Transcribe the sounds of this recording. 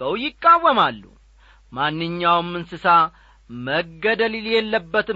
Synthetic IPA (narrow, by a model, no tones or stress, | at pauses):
əwjɪkʼːawːəmalːṵ | manːɨɲːawmːɨnsɨsa | məɡːəd̪əliljɛlːəbːət̪ɨ